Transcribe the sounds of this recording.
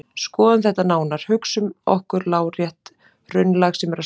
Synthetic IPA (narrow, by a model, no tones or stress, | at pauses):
skɔːðanθɛht̪ːanaːwnaɾ̥hʏksʏmɔ̰hkʏɾlaːwɾjɛht̪ | rʏnlaɣsɛmɛɾa